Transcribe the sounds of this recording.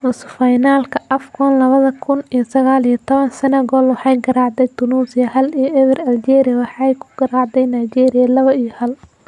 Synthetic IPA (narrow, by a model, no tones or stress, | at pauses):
musfɐjnaːlkʰɐʔɐfkʰɔnlɐβɐðɐkʰʊnijɔsɐɣaːlijɐt̪ʰɔβɐnsɐnɐɡɔːlwɑħɑjɡɐɾaːʕd̪ɛjt̪ʰʊnuːsɪjɐhɐlijɔʔɛβɛrɐld͡ʒɛːɾɪjɐwɑħɑjkʰʊ̥ɡ̥ɐɾɑːʕd̪ɛjnajd͡ʒɛːɾɪjɐlɐβɐijɔhɐl